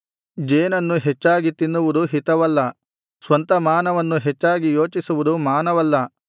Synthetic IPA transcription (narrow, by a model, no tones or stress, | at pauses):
d͡ʒeːnɐnːuɦet͡ʃːaːɡit̪inːuʋud̪uɦit̪ɐʋɐlːɐ | sʋɐnt̪ɐmaːnɐʋɐnːuɦɛt͡ʃːaːɡijo̞ːt͡ʃisuʋud̪umaːnɐʋɐlːɐ